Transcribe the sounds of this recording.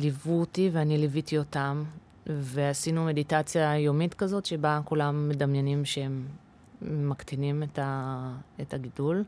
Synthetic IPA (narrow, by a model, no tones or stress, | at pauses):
livutiveanilivitio̞tam | ve̞asinume̞ditat͡sjajomitkazo̞t̪ʃebakulamːe̞damjenimʃeemː | aktinimetaethaɡidul